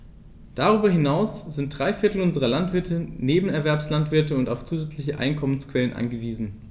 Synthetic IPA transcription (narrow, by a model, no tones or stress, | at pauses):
d̥aʁyːbɐɦɪnaʊsz̥ɪnt̚d̥ʁaɪfɪɐtl̩ʊnzəʁɐlantv̥ɪɐtʰəneːbm̩ɛɐvɛɐpslantv̥ɪɐtəʊntaʊft͡suːzɛt͡slɪçəʔa̰ɪnkʰɔmənskv̥ɛlənʔa̰nɡəviːzn̩